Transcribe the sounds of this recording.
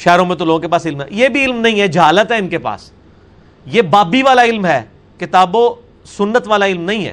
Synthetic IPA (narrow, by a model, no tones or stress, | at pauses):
ʃɛːɾõmẽt̪oloːɡõkepaːsɪlmɛ̰jebʱiɪlmnɐɦĩɦɛd͡ʒɐɦaːlət̪ɦɛɪnkepa̰ːs | jeːbaːbiʋaːlaɪlmɦɛː | kɪt̪aːbõ | sʊnːət̪ʋaːlaɪlmnɐɦĩɦɛ̰ː